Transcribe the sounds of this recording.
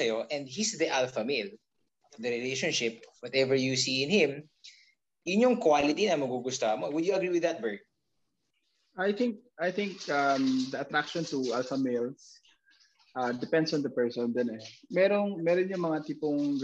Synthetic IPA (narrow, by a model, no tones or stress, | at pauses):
ɐjoʔɛ̃nd̪̚hisd̪iʔalfɐmɪl | d̪ɐɾɪlejʃonʃɪpwɐt̪ɛvɛɹjusiɪ̃nhɪ̃m | jʊɲoŋkwalɪt̪inɐmɐɡuɡʊst̪oɐmowʊd̪juɐɡɾiwɪðɐt̪̚bɛ˞ɡ̪̚ | ʔajθɪŋk̚ʔajθɪŋkʔɐmd̪ɐɐt̪ɾakʃɔ̃nt̪ʊʔalfɐmɪl | ʔad̪ɛpɛ̃nd̪sɔ̃nd̪ɐpɛɹsɔnd͡ʒonɛmɛːɾoŋmɛːɾonjʊŋmɐŋat̪iːpoŋ